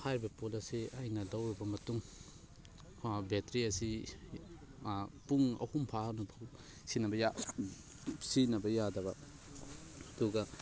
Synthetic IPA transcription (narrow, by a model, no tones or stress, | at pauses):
hajbɐpolɐsiajnɐlɐwɾbɐmɐtuŋ | betɾiɐsi | puŋɐ̰humpʰanupʰɐw | sinɐbɐja | sinɐbɐjadɐbɐ | duɡɐ